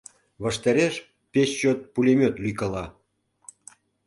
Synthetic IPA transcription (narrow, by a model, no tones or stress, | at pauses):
βəʃt̪ɑɾʲeʃ | pʲest͡ɕot̪̚pulʲemʲøt̪lyjkəlɑ